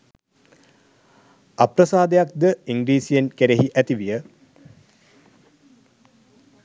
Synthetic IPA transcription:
aprɐsaːd̪ejak̚d̪əiŋɡɾiːsijenkeɾeɦiʔæt̪iʋijə

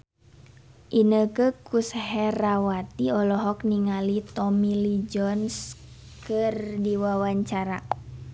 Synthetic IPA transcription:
ʔinəkəkushɛɾawat̪iɔlɔɦɔkniŋalit̪ɔmilid͡ʒɔnskərdiwawaɲt͡ʃaɾa̰

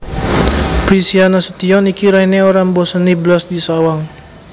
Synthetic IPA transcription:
pɾisianasət̪iɔnikiɾaineoɾaŋbɔsənibəlɔsdisawaŋ

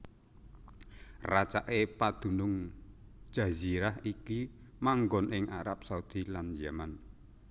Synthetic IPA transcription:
rat͡ʃaʔepad̪̥ṳnʊŋ̥ | d͡ʒ̥a̤ziɾahiki | maŋɡɔnʔɪŋʔaɾap̚saud̪̥i̤land͡ʒaman

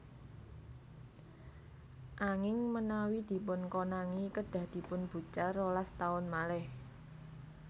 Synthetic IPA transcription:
ʔaŋɪŋmənawid̪̥i̤pʊnkonaŋikəɖ̥ä̤hd̪̥i̤pʊnb̥ṳt͡ʃarolast̪aʊnmalɛh

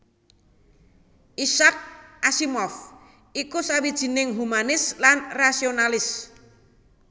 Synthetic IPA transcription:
ʔisak̚ʔasimɔf | ʔikusawid̥ʒ̥i̤nɪŋɦumanɪslanrasionalɪs

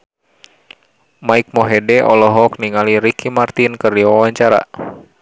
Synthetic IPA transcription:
maik̚mɔɦɛdɛʔɔlɔɦɔk̚niŋaliɾikʰimart̪inkɨrdiwawaɲt͡ʃaɾa̰

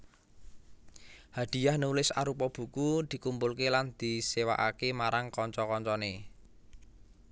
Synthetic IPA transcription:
had̪̥i̤jahnulɪsaɾupɔb̥ṳkud̪̥i̤kumpʊlkeland̪̥i̤sewaʔakemaɾaŋkɔɲt͡ʃɔkɔɲt͡ʃɔne

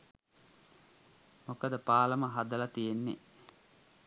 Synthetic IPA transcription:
mokəd̪əpaːləməɦad̪əlat̪ijenːḛ

